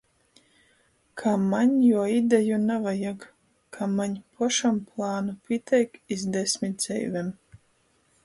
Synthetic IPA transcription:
kʰamaɲjuɔid̪ɛjunavajaɡ | kʰamaɲpʰuʃamplˠaːnupʲiɛt̪ʰʲɛjkizd̪ɛsʲmʲit̪̚z̥ɛ̰jvʲɛm

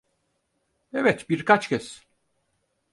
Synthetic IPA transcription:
evɛt̪biɾkʰat͡ʃcʰɛs

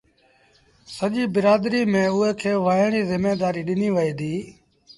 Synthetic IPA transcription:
səʄiːbɪɾaːd̪ɾiːmẽːʊɦeːkʰeːʋaːɳiːzɪmeːd̪aːɾiːɗɪniːʋəɦiːd̪iː

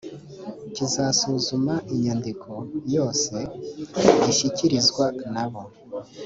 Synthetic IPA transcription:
cizasuzumaʔiɲandikʰo̞jo̞ːse̞ | iʃiciɾizɡwanaβo̞

